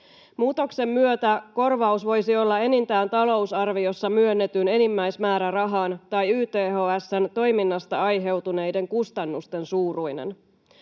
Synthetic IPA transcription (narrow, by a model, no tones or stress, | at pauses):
muːt̪o̞kse̞mːyøt̪æko̞rʋɑusʋo̞jsio̞lːɑe̞nint̪æːnt̪ɑlo̞usɑrʋio̞sːɑmyø̞nːe̞t̪yne̞nimːæjsmæːɾærɑɦɑːnt̪ɑjyːt̪eːɦoːæsːænt̪o̞jminːɑst̪ɑɑjɦe̞wt̪une̞jde̞ŋkust̪ɑnːust̪e̞nsuːrujnḛn